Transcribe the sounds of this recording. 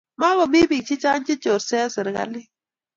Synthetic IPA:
ma˦bɔ˨mi˦bi˨k̚t͡ʃi˦t͡ʃa˦n˦t͡ʃi˦t͡ʃo˨ɾsɛ˦sɨ˨ɾɡa̰˦lɪ˦

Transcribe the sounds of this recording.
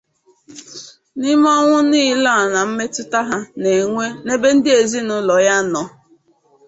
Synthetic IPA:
nɪ˦m˦ɔ˦ŋʷʊ˦niː˦˨la˦˨a˨na˨m̩˦me˦tʊ˦ta˦ɦa˦ne˨ŋʷe˦ne˦be˦n̩˦dɪ˦e˨zi˦nʊ˦lɔ˨ja˦nɔ˨

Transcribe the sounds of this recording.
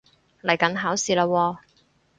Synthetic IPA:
lɐ˨˩jkɐ˨˥nɦaː˨˥wsiː˨˧laː˧wɔː˧

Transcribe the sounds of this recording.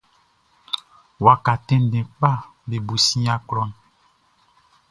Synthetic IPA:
wa˨ka˨tɛ̃˦n˦dɛ̃˨k͡pa˦be˨bu˨sĩ˦a˦klɔ˦n

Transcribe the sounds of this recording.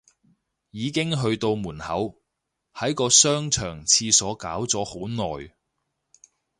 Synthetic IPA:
jiː˨˧kɪ˥ŋɦɵ˧ɥt̪o˧wmuː˨˩nhɐ˨˥w | hɐ˨˥jkɔː˧sœː˥ŋt͡ʃʰœː˨˩ŋt͡sʰiː˧sɔː˨˥kaː˨˥wt͡sɔː˨˥ho˨˥wnɔː˨j

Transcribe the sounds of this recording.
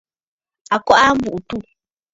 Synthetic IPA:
a˨kɔ˦ʔa˦m̩˦bu˨ʔu˨tu˦˨

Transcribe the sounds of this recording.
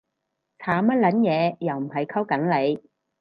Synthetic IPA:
t͡sʰaː˨˥mɐ˥t̚lɐ˨˥njɛː˨˧jɐ˨˩wm̩˨˩ɦɐ˨jkʰɐ˥wkɐ˨˥nle˨˧j

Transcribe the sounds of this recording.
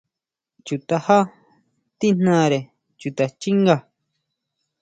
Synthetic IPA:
t͡ʃu˨t̪a˧ha˦ | t̪i˦n̥nã˦˧ɾe˨ | t͡ʃu˨t̪a˨t͡ʃi˦ŋɡa˧˨

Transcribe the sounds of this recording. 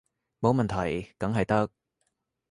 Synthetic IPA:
mo˨˧wmɐ˨nt̪ʰɐ˨˩jkɐ˨˥ŋɦɐ˨jt̪ɐ˥k̚

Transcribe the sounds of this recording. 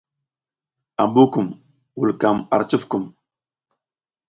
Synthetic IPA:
a˨bu˦ku˨m | wu˨lka˨ma̰˨ɾt͡ʃu˦fku˨m

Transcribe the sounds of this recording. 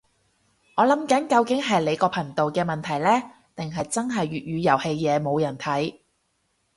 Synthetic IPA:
ŋɔː˨˧lɐ˨˥mkɐ˨˥nkɐ˧wkɪ˨˥ŋɦɐ˨jle˨˧jkɔː˧pʰɐ˨˩ŋt̪o˨wkɛː˧mɐ˨˩nt̪ʰɐ˨˩jlɛː˥ | t̪ɪ˨ŋɦɐ˨jt͡sɐ˥nɦɐ˨jɥyː˨t̚jyː˨˧jɐ˨˩whe˧jːɛː˨˧mo˨˧wjɐ˨˩nt̪ʰɐ˨˥j

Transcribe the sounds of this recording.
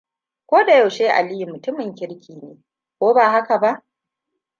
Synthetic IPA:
kʷoː˦da˨ja˨wʃeː˦ʔa̰˨li˦ji˨mʊ˨tʊ˦mɪ˨ŋkʲɪ˦ɾkʲiː˨neː˨ | kʷoː˦baː˨ɦa˦ka˨ba˦ʔ

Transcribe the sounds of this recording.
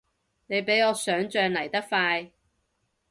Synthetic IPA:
ne˨˧jpe˨˥jɔː˨˧sœː˨˥ŋt͡ʃœː˧ŋlɐ˨˩jt̪ɐ˥k̚faː˧j

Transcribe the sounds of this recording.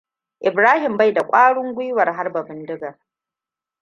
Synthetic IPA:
ʔɪ˨bɾaː˦hɪ˨mba˦˨jda˨kʷʼaː˦ɽʊ˦ŋɡʷʊ˦jwɐ˨rɦa˦rba˨bɪ˦ndɪ˦ɡa˨

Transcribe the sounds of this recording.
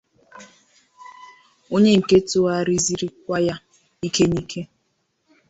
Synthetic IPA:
o˦ɲe˦ŋ̩˨ke˦to˦a˦˨ɾi˦zi˦ɾi˦k̚ʷa˦ja˦ | i˦ke˦ni˦kʰe˦

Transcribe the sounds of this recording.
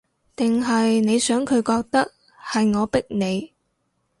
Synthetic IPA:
t̪ɪ˨ŋɦɐ˨jne˨˧jsœː˨˥ŋkʰɵ˨˧ɥkɔː˧k̚t̪ɐ˥k̚ | hɐ˨jŋɔː˨˧pɪ˥k̚ne˨˧j

